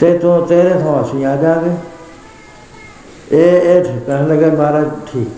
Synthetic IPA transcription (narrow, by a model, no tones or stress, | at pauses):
t̪eːt̪õːt̪eːɾeːɦõːəsĩːãːd͡ʒãːɡeː | eːeːʈʰiːkə̃ləɡeːmaːɾaːʈʰiːk